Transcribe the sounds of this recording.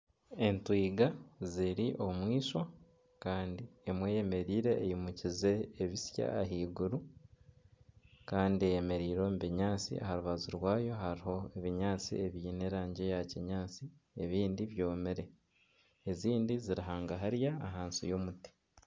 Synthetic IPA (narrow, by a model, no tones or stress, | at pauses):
e̞ntwiːɡaziɾiʔo̞mwiːʃwa | kaːndiemweːjeme̞ɾiːɾe̞ːjimucize̞ːβisja̰ːɦiːɡuɾu | kaːndiejeme̞ɾiːɾo̞ːmβiɲaːt͡sḭʔa̰haɾuβaziɾwaːjo̞ɦaɾiɦo̞eβiɲaːt͡sḭeβjiːneɾaːɲɟe̞jaciɲaːt͡si | eβiːndiβjo̞ːmeɾe | eziːndiziɾiɦaːŋɡaɦaɾjaːɦaːnsḭjo̞muti̥